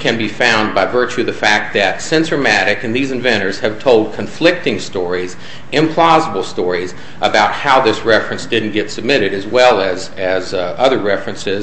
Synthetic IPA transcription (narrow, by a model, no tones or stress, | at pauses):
kʰɨ̃nbifãʊ̃nbaɪvɜ˞t͡ʃʉðɨfæk̚t̪̚ðɨtsɪ̃nsə˞mæɾɨkɨ̃nðizɨ̃ɱvɛ̃ɾ̃ə˞z̥ɨv̥tʰoʊlˠd̚kʰɨ̃ɱflɪk̚tɪ̃ŋstɔɹiz | ɨ̃mpʰl̥ɑzəbl̩ˠstɔɹiz | ʔəbaʊt̚haʊðɪsɹɛfɹɨ̃nsd̥ɪdⁿn̩ɡ̥ɛtsəb̚mɪɾɨɾɨzwɛlˠɨz | ɨzʌðə˞ɹɛfɹɨ̃nsɪz